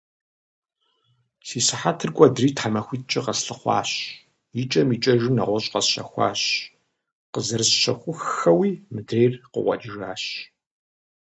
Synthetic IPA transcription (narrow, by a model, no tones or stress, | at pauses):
siːsɨħatʰɨrɡʷʼɔdriːtħamɐxʷit͡ʃʼɪqɐsɬɨχʷɑ̰ːɕ | jit͡ʃʼɐmiːt͡ʃʼɐʒɪmnɐ̰ʁʷɔɕʼqɐsɕɐ̰xʷɑ̰ːɕ | qəzɨrɨsʃɐxʷʊxɐwiːmɨdreːrqə̰ʁʷɔ̰d͡ʒɪʒaːɕ